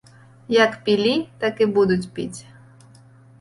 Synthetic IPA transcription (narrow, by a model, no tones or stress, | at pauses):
jɐkpʲilʲit̪akɪbud̪ʊt͡sʲpʲḭt͡sʲ